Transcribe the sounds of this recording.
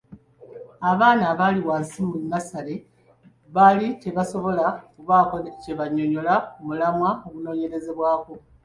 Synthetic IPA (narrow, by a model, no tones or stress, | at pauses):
aβaːnaβaːliwaːnsimunːasale̞ | βalice̞βaso̞βo̞lakuβaːkoce̞βaɲːo̞ɲo̞laumulamwaoβuno̞ːɲe̞ɾe̞ze̞βwaːko̞